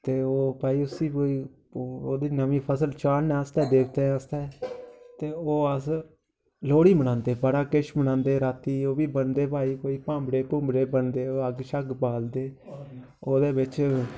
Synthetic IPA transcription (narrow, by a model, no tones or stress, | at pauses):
t̪eːoːpaːiːʊsĩːkoːiː | oːd̪eːnəʋĩːpʰəsəlt͡ʃaːɾnɛːəst̪ɛːd̪eːk̚ʰt̪eːəst̪ɛːt̪eːoːəs | loːɽiːmənãːnd̪eːbəɽaːkɪʃmənãːnd̪eːɾaːt̪iːoːʋiːbənd̪eːpaːiːkoːiːpãːmbɽeːpʊ̃ːmbɽeːbənd̪eːoːəɡʃəɡbaːld̪eː | oːd̪eːbɪt͡ʃ